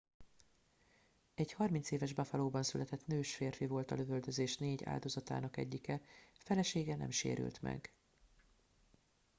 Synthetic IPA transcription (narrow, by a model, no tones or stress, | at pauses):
ɛɟhɒrmint̪seːvɛʒbɛfɒloːbɒnsylɛt̪ɛt̪nøːʃfeːrfivo̞lt̪ɒløvøld̪øzeːʃneːɟa̰ːld̪o̞zɒt̪a̰ːnɒkɛ̰ɟːikɛfɛlɛʃeːɡɛnɛ̰mʃḛːɾy̰lt̪mɛ̰ɡ